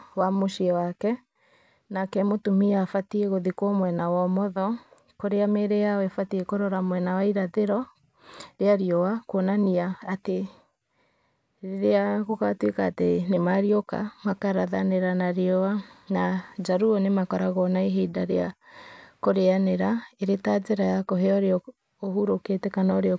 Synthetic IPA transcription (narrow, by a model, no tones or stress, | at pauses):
wamoʃiɛwakɛ | nakɛmotumiafatieɣoðikɔmwɛnawɔmɔðɔ | koɾeameɾejawɛfatiekoɾɔɾamwɛnawaiɾaðeɾɔ | ɾeaɾiɔwakwonaniaːte | ɾeaɣokatwekaːtenemaɾioka̰makaɾaðaneɾanaɾeɔwanad͡ʒaɾuɔnemakɔɾaɣɔnaeɦedaɾea | koɾeaneɾaeɾetad͡zeɾajakoɦɛɔɾeɔ | ohuɾoketɛkanaɾeɔ